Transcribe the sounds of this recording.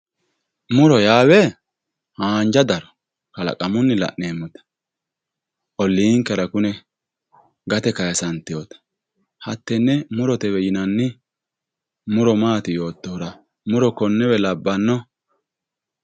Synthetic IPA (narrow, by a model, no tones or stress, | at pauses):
mʊɾɔjaːwɛ | haːnd͡ʒɐd̪ɐɾɔ̥ | kɐlɐ̰kʼɐmʊnːɪlɐ̰ʔneːmːʊt̪ɐ̥ | ʔɔlːiːŋkːɐɾɐkʊnɛ | ɡɐt̪ɛkɐjɐsɐnt̪ːɪjoːt̪ɐ̥ | hɐt̪ːɛnːɛmʊɾɔt̪ɛwɛjɪnɐnːɪ | mʊɾɔmaːt̪ɪjo̞ːt̪ːoːɾɐ | mʊɾɔkɔnːɛwɛlɐbːɐnːɔ